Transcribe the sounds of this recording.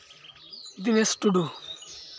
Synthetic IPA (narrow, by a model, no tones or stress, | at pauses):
d̪inesʈuɖu